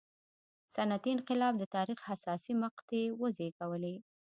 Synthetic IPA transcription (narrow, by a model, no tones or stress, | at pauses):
sanat̪iɪnqɪlɑb̚d̪ət̪ɑɾixhasɑsimaqt̪ewəzekawəle